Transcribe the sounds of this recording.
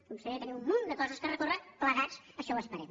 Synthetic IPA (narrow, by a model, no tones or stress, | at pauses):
kumsəβet̪əniummːond̪əkɔzəskərəkorəpləɣat͡s | əʃɔəspəɾɛm